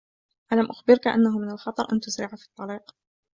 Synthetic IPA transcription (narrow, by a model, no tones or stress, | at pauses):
ʔalamʔʊxbɪɾkaʔa̰nːaɦʊmɪnalxɑt̪ˤɑɾˤʔa̰nt̪ʊzɾɪʕfit̪ˤːɑliːq